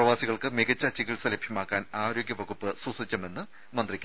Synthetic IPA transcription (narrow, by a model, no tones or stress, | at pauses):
prɐʋaːsiɣɐɭkɨmeɡɐt͡ɕːat͡ɕiɣiɭsɐlebʱjɐmaːkːaːnaːɾo̞ːɡʲjɐʋɐɣupːɨsusit͡ɕʲːɐme̞nːɨ | mɐnd̪rikʲː